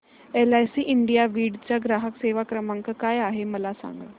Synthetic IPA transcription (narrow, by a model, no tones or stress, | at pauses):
eːlaːjsiːʔɪɳɖijaʋiːɖt͡ɕaɡɾaːɦəkseːʋaːkɾəmə̃ŋkkaːjaːɦemɐlasa̰ːŋɡa